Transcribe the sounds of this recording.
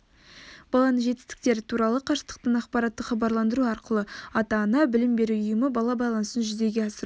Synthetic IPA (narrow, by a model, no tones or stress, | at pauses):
b̥ɑlˠɑnəɴʒe̞t̪ɪst̪ɪ̥k̚t̪e̞ɾɪt̪ʰuɾɑlˠəqʰɑɾsə̥t̪ə̥q̚t̪əɴɑqpɑɾɑt̪ːəχɑbɑɾlˠɑnd̪əɾuɑɾqəlˠəɑt̪ɑnɑbɪlɪmbe̞ɾuʊjəməbɑlˠɑbɑjlˠɑnəsənʒʏze̞ɡʲe̞ɑsəɾu